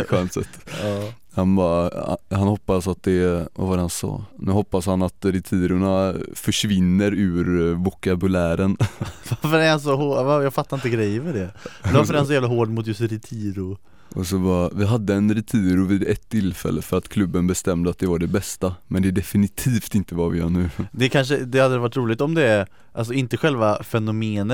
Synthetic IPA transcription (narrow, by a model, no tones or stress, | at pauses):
ɧɛnsɛt̪ː | hanbɑhanhɔpːasat̪̚d̪ɛva̰vaɾɛhansɑ̰ːnʉ̟ːɦɔpːashanat̪ɾɪt̪ʰiːɾʊɳafœʂvɪnːəɾʉːɾvɔkabʉlæːɾənvafəɾɛhans̬ɔhoːvajaːɡfat̪ːaɾɪnt̪əɡɾɛjːvəɖɛafəɾɛhansɔjæːvlaɦoːɖmʊt̪̬jɵst̪ɾɪt̪ʰiːɾʊ | ʔɔsɔbɑvɪɦad̪ːəɛnɾɪt̪ʰiːɾʊviːd̪ɛt̪ʰːɪlːfɛ̰lːəfœɾat̪kʰlɵbːənbɛst̪ɛmd̪əat̪̚d̪ɛvaɖɛbɛst̪amɛnd̪ɛɖ̪ɛfɪnɪt̪ʰiːft̪ɪnt̪əvavɪ̰jœ̰ːɳʉ̟ːd̪ɛkʰanʂ̬əd̪ɛhad̪əd̪ɛvaʈ̬ːɾuːlɪt̪ɔmd̪ɛ | ʔals̬ɔɪnt̪əɧɛlvafɛnʊmeːnə